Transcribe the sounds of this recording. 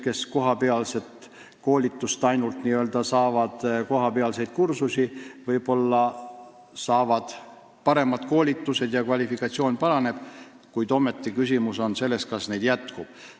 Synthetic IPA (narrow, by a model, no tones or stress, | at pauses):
ke̞sko̞ɦɑpe̞ɑlse̞t̪ | ko̞ːlʲit̪ːˑust̪ɑjnult̪niøld̪̥ɑsɑːvɑd̪̥ko̞ɦɑpe̞ɑlse̞jd̪̥̚kursusivɤjb̥o̞lːɑ | sɑːvɑd̪̥ | pɑɾe̞mɑd̪̥ko̞ːlʲit̪ːˑuse̞d̪̥jɑkvɑlʲifikɑt̪sio̞ːnʲpɑɾɑne̞b̥ | kujd̪o̞me̞t̪ˑːikysimuso̞nse̞lːe̞st̪kɑsne̞jd̪̥jæt̪kub̥